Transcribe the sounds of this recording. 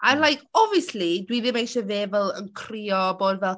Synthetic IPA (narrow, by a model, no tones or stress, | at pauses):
ʔənlajkʰɔviəslidwiðɪ̃mejʃɛveːvəlˠə̰nkʰriːɔboːdvɛl